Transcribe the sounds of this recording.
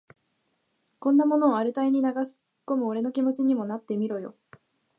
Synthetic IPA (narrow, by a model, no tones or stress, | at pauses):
kõ̞nːamo̞no̞ːaɾɯt̪aiɲ̟inaɡasɨ̥ | kːo̞mɯ̟o̞ɾe̞no̞kʲimo̞t͡ɕiɲ̟imo̞nat̪ːe̞mʲiɾo̞jo̞̰